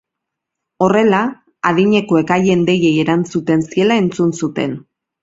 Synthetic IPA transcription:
o̞re̞la | aðiɲe̞ko̞e̞kaje̞nd̪e̞je̞je̞ɾant͡sut̪e̞nsie̞lae̞nt͡sunsut̪e̞n

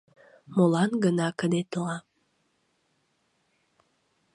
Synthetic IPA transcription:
molɑnɡənɑkəd̪et̪oɑ

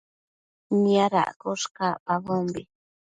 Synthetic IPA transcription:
niaɾa̰ʔkoʂkapaβombi

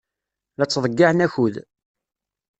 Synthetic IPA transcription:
læt͡sːðˤəɡːaʕnæçuð

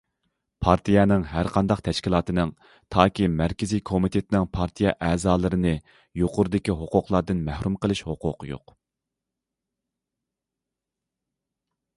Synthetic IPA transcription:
pʰɑɾt̪ʰijɛnɪŋɦæɾqʰɑnd̪ɑqt̪ʰɛʃkʲilˠɑːt̪ɨnɨŋ | t̪ʰɑːkʲʰimæɾkʲɪzikʰomit̪ʰet̪ɪnɪŋpʰɑɾt̪ʰijɛʔɛːzɑːlˠɨɾɨnɨ | joqʰʊɾɨd̪ɪkʲiɦoqʊqlˠɑɾd̪ɨnmæhɾumqəlˠɨʃhoqʊ̰qjo̰q

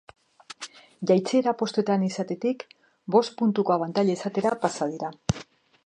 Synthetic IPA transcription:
ʝajt͡se̞ɾapo̞st̪ue̞t̪anisat̪e̞t̪ik | bo̞st̪̚punt̪ukoaβant̪aʎaesat̪e̞ɾapasað̞iɾa

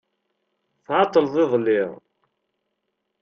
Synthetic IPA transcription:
θʕɑt̪ˤːəlðˤɪðˤlɪʁ

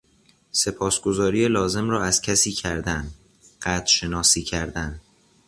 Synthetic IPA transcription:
se̞pʰɒːsɡ̥o̞zɒːɾiːjelɒːze̞mrɒːæz̥cʰæsiːcʰæɾd̪æn | ɢ̥æːd̪ʃe̞nɒːsiːcʰæɾd̪æn

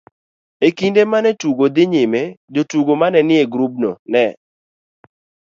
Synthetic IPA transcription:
ekindemanɛtuɡod̪ɪɲɪmed͡ʒotuɡomanɛnɪeɡɾub̚no̰nɛ

